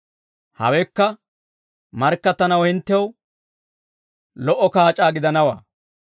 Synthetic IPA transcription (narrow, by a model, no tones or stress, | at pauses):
hɐ̰wɛkːɐ | mɐɾkːɐt̪ːɐnɐwhɪnt̪ːɛw | lɔʔːɔkaːt͡ʃʼaːɡɪd̪ɐnɐwa̰ː